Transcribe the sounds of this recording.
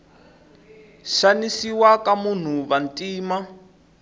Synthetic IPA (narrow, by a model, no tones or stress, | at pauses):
ʃanisiwakamun̤uβantʼiːma